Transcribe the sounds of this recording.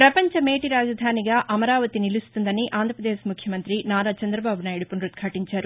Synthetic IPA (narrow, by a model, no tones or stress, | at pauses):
pɾɐpɐɲt͡ʃɐmeːʈiɾaːd͡ʒɐd̪ʱaːniɡaːʔɐmɐɾaːʋɐt̪inilust̪und̪ɐniʔaːnd̪ʱɐpɾɐd̪eːʃmukʰjɐmɐnt̪ɾinaːɾat͡ʃɐnd̪ɾɐbaːbʱunaːjiɽupunɾut̪̚kʰaːʈiɲt͡ʃaːɾu